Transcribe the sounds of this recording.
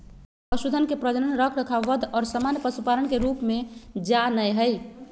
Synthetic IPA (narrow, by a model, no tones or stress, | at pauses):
pəsud̪ʱənkepɾəd͡ʒənənɾəkʰɾəkʰaʋəd̪ʱɔːɾsamanjəpəsupaɾənkeɾupmed͡ʒanəjɦəj